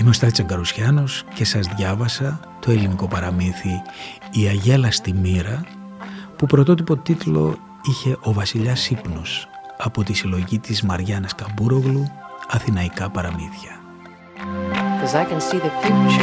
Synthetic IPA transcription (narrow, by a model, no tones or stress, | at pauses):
imo̞st̪ɐtit͡seŋɡɐɾusçɐno̞sce̞sɐzðʝɐvɐsɐ | t̪o̞e̞liniko̞pɐɾɐmiθiː | ɐʝe̞lɐst̪imiɾɐ | pupɾot̪o̞t̪ipo̞t̪it̪lo̞̰ | içe̞ʔo̞vɐsiʎɐsipnosɐpo̞t̪isilo̞ʝit̪izmɐɾʝɐnɐskɐmbuɾo̞ɣluɐθinɐikɐpɐɾɐmiθçɐ | kʰɔzaɪkə̃nsiðəfi